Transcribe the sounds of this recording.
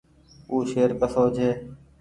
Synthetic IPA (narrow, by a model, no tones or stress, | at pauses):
uːʃeːɾkəsoːd͡ʒʱɦeː